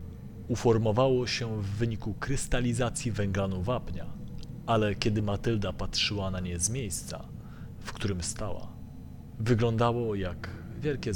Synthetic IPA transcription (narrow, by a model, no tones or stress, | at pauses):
ufɔɾmɔvawɔɕɛvːɘɲikukɾɘst̪alʲizat̪sʲjivɛŋɡlanuvapɲa | alɛkʲɛd̪ɘmat̪ɘld̪apatʂɘwanaɲɛzmʲjejst̪sa̰ | fkt̪uɾɘmst̪awa̰ | vɘɡlɔnd̪awɔjaɡ | vʲjɛlkʲɛ